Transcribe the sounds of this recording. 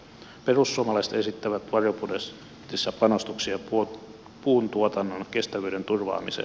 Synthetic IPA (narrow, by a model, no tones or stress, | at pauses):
pe̞rusːuomɑlɑjse̥t̪e̞sit̪ːæʋæt̪ʋɑropudes | t̪isːæpɑno̞st̪uksiɑ | puːnt̪uot̪ɑnːonke̞st̪æʋyːdent̪urʋɑ̰ːmisḛ